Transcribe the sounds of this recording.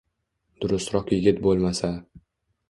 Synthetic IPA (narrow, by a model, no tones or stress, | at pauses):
d̪̥ʊɾʊst̪ɾɒqjɪɡʲɪt̪̚bolˠmasa